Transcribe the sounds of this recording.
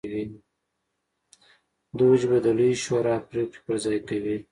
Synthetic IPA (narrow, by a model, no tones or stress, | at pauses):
wi | d̪od͡ʒbad̪əluʃoɾɑpɾeki̥pəɾzɑjkawi